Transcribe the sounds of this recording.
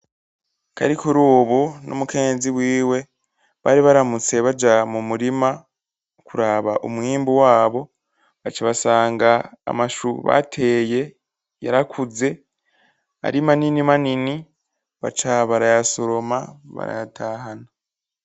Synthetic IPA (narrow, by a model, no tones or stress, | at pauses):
ka̰ɾikuɾuːβunʔo̰muke̞ːnziβwiːwe̞ | βaːɾiβaɾamut͡se̞βad͡ʒamumuɾima | kuɾaːβaʔo̰mwiːmbuwaːβo̞ | βat͡ʃaβasaːŋɡa̰ːmaʃuβa̰tʰe̞ːje̞ | jaɾakʰuze̞ | a̰ɾimaninimanini | βa̰t͡ʃaβaɾajasoɾo̞maβa̰ɾa̰jatʰaːhana